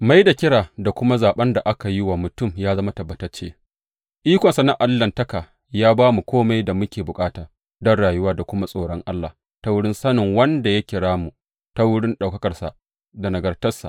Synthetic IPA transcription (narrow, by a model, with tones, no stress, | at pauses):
ma˦jda˨kʲɪ˦ɽaː˨da˨kʷʊ˦ma˦zaː˨ɓɐ˦nda˨ʔa˦ka˨ji˦wa˨mʊ˨tʊ˦mjaː˦zɐ˦ma˦tɐ˨bːɐ˨tɐ˦rt͡ʃeː˦ | ʔiː˦kʷɐ˨nsa˨na˦ʔa˨lːɐ˨ntɐ˦ka˨ | jaː˦baː˦mu˨kʷoː˦ma˦jda˨mʊ˦kʲeː˨bʊ˨kʼaː˦taː˨ | dɔ˦nɽaː˨jʊ˦waː˦da˨kʷʊ˦ma˦sʼoː˨ɽɔ˦ŋʔa˦lːa˨ | ta˦wʊ˦ɽɪ˦nsɐ˦nɪ˨ŋwɐ˦nda˨ja˦kʲɪ˨ɽaː˦mu˨ | ta˦wʊ˦ɽɪ˦nɗa˨wkɐ˦kɐ˨rsa̰˨ | da˨nɐ˨ɡɐ˨rtɐ˦rsa̰˨ʔ